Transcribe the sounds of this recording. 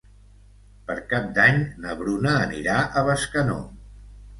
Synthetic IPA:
pəɾkap̚d̪aɲnəβɾunəːniɾaʔəβəskəno̰

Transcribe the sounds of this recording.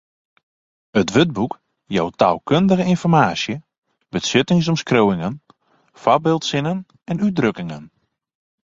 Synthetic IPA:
ətʋøt̚buk | jawta̰ːlˠkøndəɣəɪnfɔrmaːsjə | bəsɪtɪŋs̬ɔmskrowɪŋən | fabɪːlˠtsɪnən | ɛnyt̚drøkɪŋən

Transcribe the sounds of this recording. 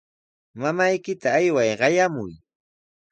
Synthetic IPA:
mamajkɪt̪aːjwajɢɑjamʊj

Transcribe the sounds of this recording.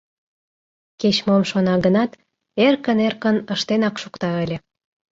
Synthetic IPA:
ket͡ɕmomʃonɑɣənɑt̪ | erkənerkənəʃt̪enɑkʃukt̪ɑəlʲĕ

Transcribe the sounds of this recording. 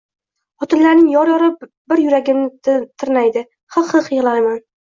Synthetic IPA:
ɒt̪ʰɪnlaɾnɪŋjɒɾjɒɾɪ | bɪɾjʊɾaɡʲɪmnɪt̪ʰɪɾnajd̪ɪ | hɨqhɨqjɨʁlˠajman

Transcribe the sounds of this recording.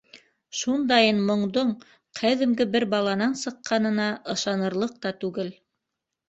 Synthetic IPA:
ʃund̪ɑjɤnmŏɴd̪oɴ | qʰæðɘ̆mɡɘbɘɾbɑlˠɑnɑnsɤ̆qːɑnɤ̆nɑʔɤ̆ʃɑnɤ̆ɾlˠɤq̚t̪ɑt̪ʉɡɘl

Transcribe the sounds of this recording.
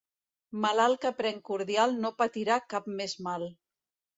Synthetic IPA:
malalˠkəpɾɛŋkuɾðjalˠnopat̪iɾakapmezmal

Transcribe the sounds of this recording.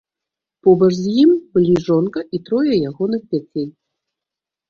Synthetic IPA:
pɔbɐʐzʲjimbɨlʲiʐɔnkɐʔit̪ɾɔjɐjaɣɔnɨxpʲat͡sʲejʲ

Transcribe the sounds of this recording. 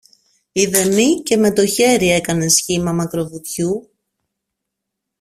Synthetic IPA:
iðe̞mice̞me̞t̪o̞çe̞ɾie̞kɐne̞sçimɐmɐkɾo̞vit̪çu

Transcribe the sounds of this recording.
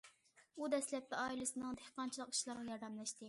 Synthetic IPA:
ud̪ɛslɛp̚t̪ɛɑilɨsɨnɨŋd̪ehqɑnt͡ʃʰilˠəqi̥ʃlˠɑɾʁɑjɑɾd̪ɛmlˠɨʃt̪ɨ

